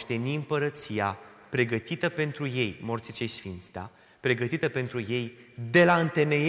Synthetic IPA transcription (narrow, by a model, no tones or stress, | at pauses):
ʃt̪e̞niɨmpəɾət̪sija | pɾe̞ɡət̪it̪əpe̞nt̪ɾuje̞jmo̞rt̪sit͡ʃejsfint̪st̪a̰ | pɾe̞ɡət̪it̪əpe̞nt̪ɾuje̞jd̪e̞laɨnt̪e̞ne